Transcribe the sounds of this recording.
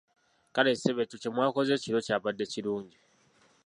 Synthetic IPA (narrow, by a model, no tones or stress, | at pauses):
kaleseβetucemwaːko̞ze̞ciɾo̞caβadːe̞ciɾuːɲɟi